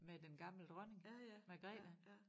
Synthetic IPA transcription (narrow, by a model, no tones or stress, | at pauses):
med̥enɡ̥ɑ̈ml̩d̥ʁœne̝ŋmæɡ̥ʁɛ̰ːd̥æ